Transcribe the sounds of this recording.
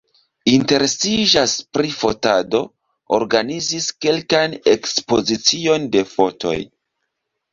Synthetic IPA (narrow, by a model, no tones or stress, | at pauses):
inte̞ɾesiʒaspɾifo̞tado̞ | o̰ɾɡaniziske̞lkajne̞kspo̞zit͡sio̞nde̞fo̞to̰j